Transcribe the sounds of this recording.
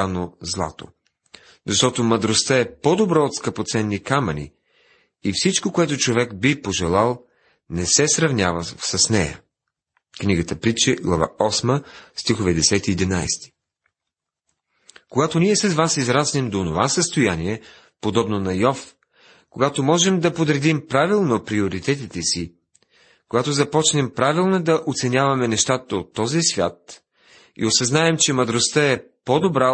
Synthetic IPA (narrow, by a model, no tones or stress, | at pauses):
anozlˠa̰t̪o̰ | zɐʃt̪ɔt̪omɐd̪ɾost̪aɛpɔd̪obɾɔot̪skəpot̪sɛnːikamɐnʲḭ | ifsit͡ʃkokoɛt̪ʊt͡ʃovɛkbipoʒɛlˠalˠ | nɛsɛsɾɐvnʲjavəsɐsnɛjə̰ | kniɡət̪əpɾit͡ʃɛɡlˠɐva̰ɔsməst̪ixovɛd̪ɛsɛt̪iːd̪ina̰jst̪i̥ | koɡat̪oniɛsɐzvasizɾasnɛmd̪oːnova̰səst̪ojaniɛ | pod̪ɔbnonɐjɔf | koɡat̪omɔʒɛmd̪ɐpod̪ɾɛd̪impɾavilˠnopɾioɾit̪ɛt̪̬it̪ɛsi | koɡat̪ozɐpɔt͡ʃnɛmpɾavilˠnod̪ɐʔot̪sɛnʲavɐmɛnɛʃt̪at̪əot̪ːɔzisvʲja̰t̪ | ḭosɐznaɛmt͡ʃɛmɐd̪ɾost̪əɛ | pod̪obɾa